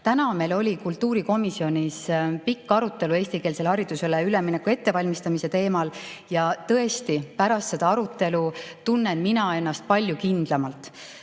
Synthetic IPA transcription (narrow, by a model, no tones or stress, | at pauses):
t̪ænɑme̞lo̞lʲikult̪ˑːuːɾiko̞misio̞nʲispikːɑɾut̪ːˑe̞lue̞ːsʲt̪ike̞ːlse̞lhɑɾid̪̥use̞leyleminekːue̞t̪ːe̞vɑlʲmist̪ɑmise̞t̪e̞ːmɑljɑt̪ɤ̞e̞st̪ipæɾɑst̪se̞d̪̥ɑɑɾut̪ːˑe̞lut̪unːenminɑe̞nːɑst̪̚pɑlʲjukind̪̥lɑmɑlt̪ˑ